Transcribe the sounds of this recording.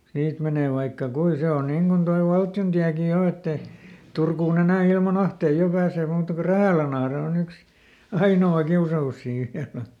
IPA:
siːt meneˑ ʋɑikːɑ kui se on niŋ ɡ̊un toi ʋɑltjontiæki jo etː e turkuːn enæˑ ilmɑn ɑhtei jo pæːseː muːtɑ ku ræhæˑlænɑhre on yks ɑinoɑ kiusɑus siː ʋiælæ

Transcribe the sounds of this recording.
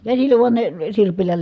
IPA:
kæsilːæ ʋuɑn ne sirpilːæ

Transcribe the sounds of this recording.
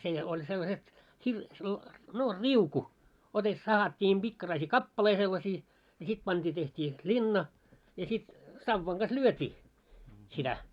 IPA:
seˑ olʲ selːɑset hir selːɑ no riuku ote sɑhɑtʲːiːm b̥ikːɑrɑisiː kɑpːɑlei selːɑsiː jɑ sit pɑnd̥iː tehtʲiː sit lʲinːɑ jɑ sit sɑʋːɑŋ ɡ̊ɑs lyøtʲiː sitæ

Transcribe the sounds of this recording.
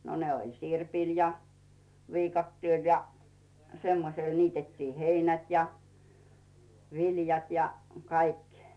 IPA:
no ne olʲ sirpil jɑ ʋiːkɑtːieˑl jɑ semːosel niːtetːiː heinæt jɑ ʋiljɑt jɑ kɑik

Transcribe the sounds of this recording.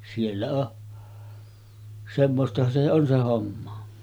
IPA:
sielːæ oʔ semːostɑhɑn se on se homːɑ

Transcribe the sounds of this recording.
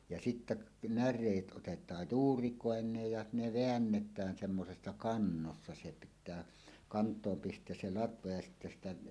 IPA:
jɑ sitːæ nærˑeːt ʔotetˑɑːj juːrikoˑenˑeːj jɑ ne ʋeænːetˑæːn semːosesːɑ kɑnːosːɑ se pitˑæː kɑntˑoːm pistˑeæs se lɑtʋɑ jɑ sitːæ sitæ

